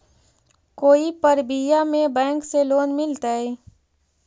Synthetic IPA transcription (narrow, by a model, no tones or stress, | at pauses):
koːipəɾbijamẽbɛ̃ːŋkseloːnmɪlt̪ae